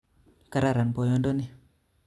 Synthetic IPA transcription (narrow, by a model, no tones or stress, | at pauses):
kaɾaɾanpojɔndoni